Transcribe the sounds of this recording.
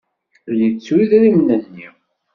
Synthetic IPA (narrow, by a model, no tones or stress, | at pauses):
lit͡sːwiðɾimnənːi